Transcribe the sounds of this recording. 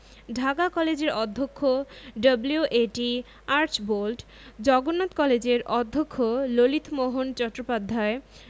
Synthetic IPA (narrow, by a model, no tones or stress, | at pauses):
ɖʱakakɔled͡ʑeɾɔd̪ʱːokʰːoɖəbliuʔeʈi | aɾt͡ɕbolʈ | d͡ʑɔɡonːot̪kɔled͡ʑeɾʔɔd̪ʱːokʰːololit̪ʰmoɦont͡ɕɔʈːɾopad̪ʱːae